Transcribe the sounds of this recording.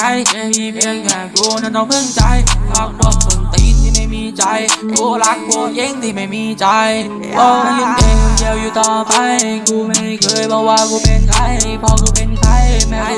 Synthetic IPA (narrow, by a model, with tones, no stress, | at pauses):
a˧˩jmiː˧˩pi˧ə˧nkaː˨˩kuː˧na˧˩t̪ɔ˧ŋpʰɯ˧˩˨ŋt͡ɕa˧jma˧˩k̚waː˧˩kʰo˨˩nt̪i˧˩t̪ʰiː˧˩ma˥˩jmiː˧t͡ɕa˧jkuː˧˩la˧˩k̚ku˧je˧˥˩ŋt̪ʰiː˧˩ma˥˩jmiː˧t͡ɕa˧j | ʔa˧˩a˧˩li˧nʔe˨˧˩ko˧ndi˧əwjuː˨˩t̪ɔː˧˩pa˧jkʰuː˧ma˧˥˧kʰɤː˧jpʰɔː˧˩waː˧kuː˧˩pe˧nkʰa˧˩jpʰɔː˧˩kʰuː˧˩pe˧nkʰa˧˥˩jma˧